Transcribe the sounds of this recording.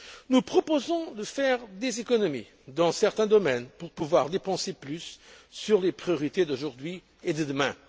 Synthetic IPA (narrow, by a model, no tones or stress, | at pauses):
nupχɔpozɔ̃d̪əfɛʁd̪ezekɔnɔmḭ | d̪ɑ̃sɛʁt̪ɛ̃d̪ɔmɛnpuʁpuvwaʁd̪epɑ̃seplysːyʁlepχijɔʁit̪ed̪oʒuʁd̪ɥi | ed̪əd̪əmɛ̃